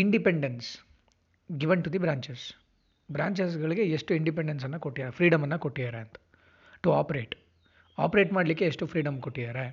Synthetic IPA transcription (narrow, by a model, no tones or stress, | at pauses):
iɳɖipeɳɖens | ɡiʋɐɳʈud̪ibɾaːɲt͡ʃes | bɾaːɲt͡ʃes̬ɡɐɭiɡeeʂʈuiɳɖip̬eɳɖens̬ɐnːɐkoʈːid̪aːɾefɾiːɖɐmɐnːɐkoʈːid̪aːɾeɐnt̪ɐ̥ | ʈuaːpɐɾeːʈ | aːpɐɾeːʈmaːɽlikːe̞ːʂʈufɾiːɖɐmkoʈːid̪aːɾe